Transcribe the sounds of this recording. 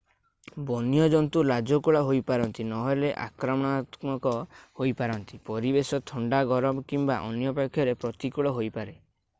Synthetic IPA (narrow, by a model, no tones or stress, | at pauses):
bɔnjɔd͡ʒɔnt̪ulad͡ʒɔkuɭaɦojpaɾɔnt̪inɔɦɔjleʔa̰kɾɔmɔɽ̃at̪mɔkɔhojpaɾɔnt̪ipɔɾibesɔt̪ʰɔɳɖaɡɔɾɔmɔkimbaʔɔnjɔpakʰːjɔɾepɾɔt̪ikuɭɔɦojpaɾe